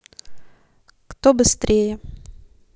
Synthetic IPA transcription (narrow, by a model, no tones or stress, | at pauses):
kt̪obɨst̪ɾʲejə